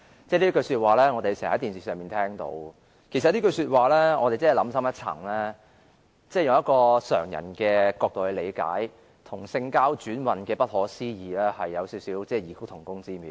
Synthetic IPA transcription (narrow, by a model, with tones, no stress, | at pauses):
t͡sɛː˥˩liː˥kɵ˧syː˧t̚waː˨˩lɛː˥ŋɔː˨˧t̪e˨jsɛː˨˩˨hɐ˨˥jt̪iː˨nsiː˨sœː˨˩miː˨nt̪ʰɛː˥ŋt̪o̰˧w | kʰe˨˩sɐ˨t̚liː˥kɵ˧syː˧t̚waː˨lɛː˥ŋɔː˨˧e˨jt͡sɐ˥hlɐ˨˧˥msɐ˥mjɐ˥t̚t͡sʰɐ̰˨˩ŋlɛː˥ | t͡sɛː˥˩jʊ˧ŋjɐ˥t̚kɔː˧sœ̰ː˨˩ŋjɐ̰˨˩nkɛː˧kɔː˧k̚t̪o˨whɵ˨˧le˨˧jka̰ː˨˥j | t̪ʰʊ˨˩ŋsɪ˧ŋkaː˥wt͡ʃyː˨˥nwɐ˨nkɛː˧pɐ˥t̚hɔː˨˥siː˥jiː˨lɛː˥hɐ˨jːɐ˨˧wsiː˨˥wsiː˨˥wt͡sɛː˥˩jiː˨˩kʰo˨˥t̪ʰʊ˨˩ŋkʊ˥ŋt͡siː˥miː˨